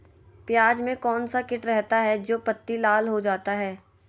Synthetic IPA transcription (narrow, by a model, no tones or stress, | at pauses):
pjaːd͡ʒmẽkɔːnsakɪʈɾɛɦt̪aɦɛd͡ʒoːpɐt̪ːilaːlɦod͡ʒaːt̪aɦɛː